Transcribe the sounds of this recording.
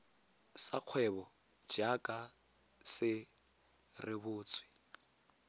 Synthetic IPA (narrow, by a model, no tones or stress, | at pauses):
saq͡χʰwɛβɔ | d͡ʒakʼa | sɪ | rɪβʊːt͡sʼwɪ